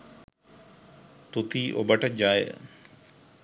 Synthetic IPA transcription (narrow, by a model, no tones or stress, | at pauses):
t̪ut̪iːʔo̰bəʈɐd͡ʒaːjə̰